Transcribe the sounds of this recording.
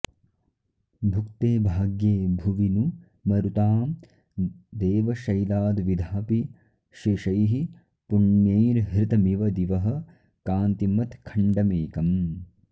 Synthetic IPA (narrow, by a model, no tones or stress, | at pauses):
bʱukt̪eːbʱaːɡjeːbʱuʋinu | mɐɾut̪aːm | d̪eːʋɐʃɐjlaːd̪ʋid̪ʱaːpi | ʃiʃɐjɦi | puɳjeːɾɦɾɪt̪ɐmiʋɐd̪iʋɐɦɐ̆ | kaːnt̪imɐt̪kʰɐɳɖɐmeːkɐm